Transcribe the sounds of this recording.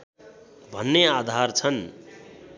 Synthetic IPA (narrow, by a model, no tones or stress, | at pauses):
bʱʌnːead̪ʱart͡sʰʌn